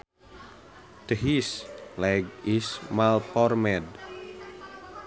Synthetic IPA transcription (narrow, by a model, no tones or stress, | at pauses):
d̪̥əɦislɛɡ̚ismalpɔrmɛd̚